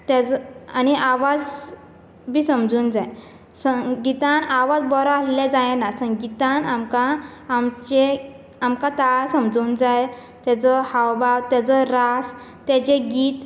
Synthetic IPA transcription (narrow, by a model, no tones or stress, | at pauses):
t̪ad͡zaniaʋad͡z | bʱiːsəmd͡zuːnd͡zaj | səɡit̪ãnaʋad͡zbɔɾaaslɛ̃d͡zãjɛ̃nasə̃ŋɡit̪ãnamkãːmt͡ɕe | amkãt̪aɭsəmd͡zuːnd͡zaj | t̪jat͡sɔhawbawt̪jat͡sɔɾas | t̪ɛ̃t͡ɕeɡiːt̪